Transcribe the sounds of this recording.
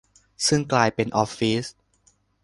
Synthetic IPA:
sɯ˥˩ŋklaː˧jpe˧nʔɔ˧fiː˦˥s

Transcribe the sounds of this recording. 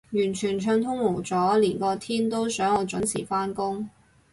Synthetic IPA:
jyː˨˩nt͡ʃʰyː˨˩nt͡ʃʰœː˧ŋt̪ʰʊ˥ŋwo˨˩wt͡sɔː˨˥liː˨˩nkɔː˧t̪ʰiː˥nt̪o˥wsœː˨˥ŋɔ˨˧t͡sʊ˨˥nt͡sʰḭː˨˩faː˥nkʊ˥ŋ

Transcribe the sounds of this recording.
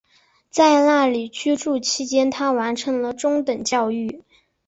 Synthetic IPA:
t͡sa˥˧ɪna˥˩li˨˩t͡ɕʰy˥ʈ͡ʂu˥˩t͡ɕʰi˥t͡ɕjɛ˥nt̪ʰa˥wa˧˥nʈ͡ʂʰɤ˧˥ŋlə˧ʈ͡ʂʊ˥ŋt̪ə˨˩ŋt͡ɕjɑ˥˧ʊy˥˩

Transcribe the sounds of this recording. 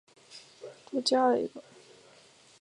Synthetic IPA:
ʈ͡ʂa˥˩t͡ɕja˥ə˨ḭ˧˥ɡə˧

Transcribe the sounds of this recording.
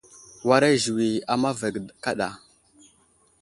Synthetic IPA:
wa˦ɾe˦ʒi˨wi˨a˨ma˦ve˨ɡdka˦ɗa̰˨

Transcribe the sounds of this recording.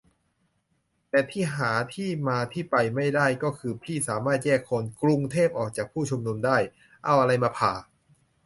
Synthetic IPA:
t̪ɛː˨˩t̪ʰiː˥˩ɦaː˩˦t̪ʰiː˥˩maː˧t̪ʰiː˥˩pa˧jma˥˩jdaː˥˩jkɔː˥˩kʰɯː˧pʰliː˥˩saː˩˦maː˥˩t̪̚jɛː˥˩kʰːo˧nkɾu˧ŋt̪ʰeː˥˩p̚ʔɔː˨˩k̚t͡ɕaː˨˩k̚pʰuː˥˩t͡ɕʰu˧mnu˧mdaː˥˩j | ʔa˧wʔa˧ɾa˧jmaː˧pʰaː˨˩

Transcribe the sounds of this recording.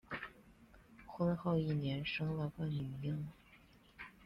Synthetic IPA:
xwə˥nxo˥˧ʊi˥˩njɛ˧˥nʂɤ˥ŋla˥˧˩fa˥˩nni˨˩ji˥˩ŋ

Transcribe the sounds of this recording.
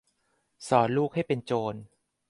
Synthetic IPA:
sɔː˩˦nluː˥˩k̚ha˥˩jpe˧nt͡ɕoː˧n

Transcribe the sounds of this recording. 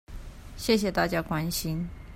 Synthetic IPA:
ɕjɛ˥˩ɕ̬jɛ˨˩t̪a˥˩t͡ɕja˥kwa˥nɕi˥n

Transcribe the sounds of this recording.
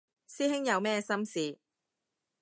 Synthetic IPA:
siː˥hɪ˥ŋjɐ˨˧wmɛː˥sɐ˥msiː˨˧

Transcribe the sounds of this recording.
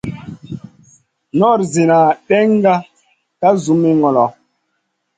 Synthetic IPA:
nɔ˦˨ɾze˨na˨ɗɛ˦ŋ˦ɡa˦ | ka˦zu˨˦mi˦ŋɔ˨lɔ˨

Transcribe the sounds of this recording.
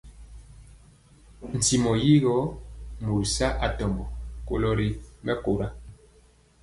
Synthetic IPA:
n̩˨ti˨mɔ˨ji˦ɣɔ˦mu˨ɾi˨sa˦ʔa˨tɔ˨mbɔ˨ko̰˨lɔ˦ɾi˨mɛ˦ko˨ɾa˦

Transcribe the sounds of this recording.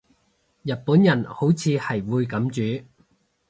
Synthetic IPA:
jɐ˨t̚puː˨˥njɐ˨˩nho˨˥wt͡sʰiː˨˧hɐ˨˩jwuː˨˧jkɐ˨˥mt͡ʃyː˨˥

